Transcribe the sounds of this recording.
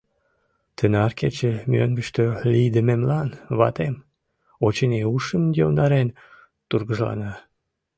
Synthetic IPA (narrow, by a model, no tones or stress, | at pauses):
t̪ənɑrket͡ɕemʲiønɡəʃt̪ølijd̪əmemlɑnβɑ̰t̪em | ot͡ɕəneuʃəmd̪ond̪ɑɾen | t̪urɣəʒlɑ̰nɑ